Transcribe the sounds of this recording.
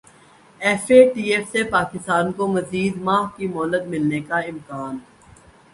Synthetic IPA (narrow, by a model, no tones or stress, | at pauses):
ɛːfeʈiːeːfsepaːkɪst̪aːnkomɐziːd̪maːɦkimɔːləd̪mɪlnekaɪ̃mkaːn